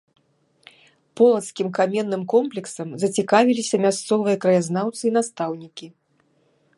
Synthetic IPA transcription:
pɔlˠɐt̪skʲimkamʲɛnːɨmkɔmplʲɛksɐmzɐt͡sʲikavʲilʲisʲɐmʲast̪sɔvɨjɐkɾɐjaznawt̪sɨin̪ast̪awnʲikʲi

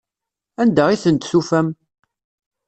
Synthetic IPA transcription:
ænd̪æʁiθənt̪θufæm

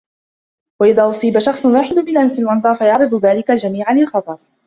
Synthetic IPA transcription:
waʔɪðaːʔʊsˤiːbaʃɑxsˤwaːħɪd̪ʊbɪlafilʔɑnzˤɑːɾˤfajɑʕɾɨd̪ˤʊðaːlɪkald͡ʒamiːʕalːɪlxɑt̪ˤɑɾˤ

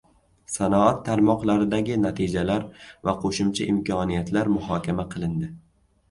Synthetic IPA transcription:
sanɒat̪ʰːaɾmɒqlˠaɾɪd̪aɡʲɪnat̪ʰid͡ʒalaɾvaqʰoʃʊmt͡ʃʰaʔɪmkʲʰɒnijat̪ʰlaɾmʊɦɒkʲʰamaqʰɨlˠɪnd̪ɪ

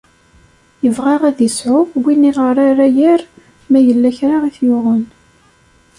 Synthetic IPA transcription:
jəvʁɑʁæðisʕʊvwinːiʁəɾˤaɾæjæɾ | mæjəlːæçɾaʁiθjʊʁən

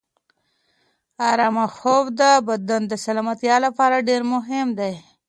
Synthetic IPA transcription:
aɾɑmaxobd̪əbad̪and̪əsalɑmat̪jɑlapɑɾaɖeɾmʊɦɪmd̪aj

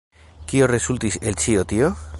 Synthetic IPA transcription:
kioresult̪iselt͡ʃiot̪io

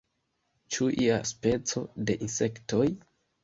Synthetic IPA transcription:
t͡ʃuʔia̰spe̞t͡so̞de̞ʔinse̞kto̞j

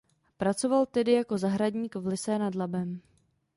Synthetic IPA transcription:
pɾat͡so̞valt̪ɛdɪjako̞zaɦɾadɲiːkvlɪsɛnadlabɛm

